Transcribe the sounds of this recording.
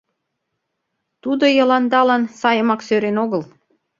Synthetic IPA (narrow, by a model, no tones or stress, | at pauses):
t̪ud̪ojɤ̆lɑnd̪ɑlɑnsɑjə̆mɑksøɾenoɣəl